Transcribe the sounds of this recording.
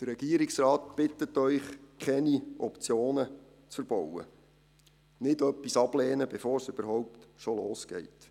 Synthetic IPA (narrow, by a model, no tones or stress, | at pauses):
d̥ərːɛɡ̥iəɾɪksrɑːt̪b̥ɪt̪ːətːœʏχkχɛniʔɔpt͡sjoːnə | t͡sfəɾb̥ɔwə̰ | nɪdœpːisɑblɛːnəbɛfoːɾsøb̥əɾhɔwp̚tʃoloːsɡ̥ɛ̰jt